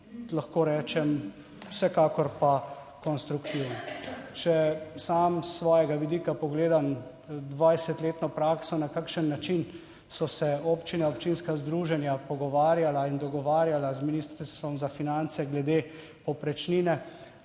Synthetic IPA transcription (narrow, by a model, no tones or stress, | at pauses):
laxkoːɾɛːt͡ʃɛm | wsɛkaːkɔɾpa | kɔnst̪ɾukt̪iwnɔt͡ʃɛsaːmsːʋɔːjɛɡaʋid̪iːkapɔɡleːd̪am | d̪ʋajsɛt̪leːt̪nɔpɾaːksɔnakakʃənːat͡ʃin | sɔsɛopt͡ʃinaɔpt͡ʃinskazd̪ɾuːʒɛnjapɔɡɔʋaːɾjalaind̪ɔɡɔʋaːɾjalazminiːst̪əɾst̪ʋɔmzafinant̪sɛɡlɛd̪e | pɔpɾɛt͡ʃninɛ